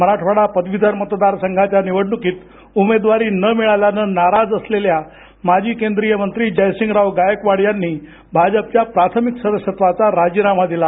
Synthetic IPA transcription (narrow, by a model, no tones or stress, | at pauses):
məɾaʈʰʋaɽapəd̪ʋid̪ʱəɾmət̪d̪aɾsəŋɡʱat͡ɕjaniʋəɽɳukiːt̪ | umed̪ʋaɾiːnəmiɭaljanənaɾad͡zəslelja | mad͡ʑʱiːkend̪ɾijəmənt̪ɾiːd͡ʑəjsiŋɡɾawɡajəkʋaɽjanːiː | bʱad͡ʑəp̚t͡ɕjapɾat̪ʰəmiksəd̪əɕət̪ʋat͡saɾad͡ʑiːɾam̤ad̪ila